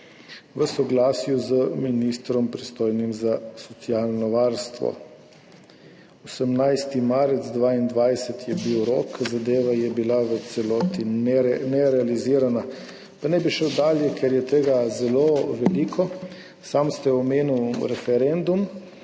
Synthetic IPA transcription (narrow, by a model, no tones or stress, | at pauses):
ʋəsɔɡlaːsjuzəminist̪ɾɔmpɾist̪oːjnimzasɔt̪siaːlnɔʋaɾst̪ʋɔ̰ | osəmnajst̪imaːɾɛd̪zd̪ʋaːind̪ʋajsɛt̪jɛbiwɾoːkzad̪eːʋajɛbilaʋət̪sɛlɔːt̪inɛnɛɾɛaliziːɾana | panɛbiʃəwd̪aːljɛkʰɛɾjɛt̪eːɡazɛloʋɛliːkʰɔ | samst̪ɛɔmeːnuwɾɛfɛɾɛnd̪um